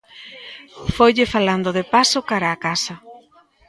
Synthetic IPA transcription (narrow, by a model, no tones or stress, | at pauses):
fojʎɪfaland̪ʊðepasʊkaɾaːkasɐ